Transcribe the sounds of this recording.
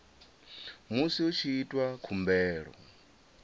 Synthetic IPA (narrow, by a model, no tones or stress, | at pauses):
musiut͡ʃʰiitʼwakʰumbɛːɺɔ̰